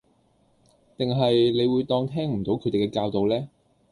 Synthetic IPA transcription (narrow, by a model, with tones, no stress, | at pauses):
t̪ɪ˨ŋɦɐ˨jle˨˧jwuː˨˧jt̪ɔː˧ŋt̪ʰɛː˥ŋm̩˨˩t̪o˨˥wkʰɵ˨˧t̪e˨˩kɛː˧kaː˧wt̪o˨wlɛː˥